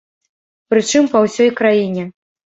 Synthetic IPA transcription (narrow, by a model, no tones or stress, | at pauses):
pɾɨt͡ʂɨmpɐwsʲɔjkɾajinʲɛ